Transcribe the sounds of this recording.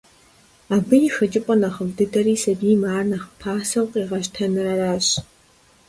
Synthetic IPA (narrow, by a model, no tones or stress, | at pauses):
aːbɨjixɐt͡ʃʼɪpʷʼɔnɐχəvdɨdɐriːsɐbiːmaːrnɐχpʰaːsɐwqʼiːʁɐʃtʰɐnɨrɐɾaːɕ